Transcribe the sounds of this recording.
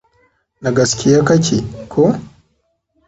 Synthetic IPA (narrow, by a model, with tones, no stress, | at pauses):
na˨ɡɐ˨skʲi˨ja˦kɐ˦kʰʲi˨kʰo˦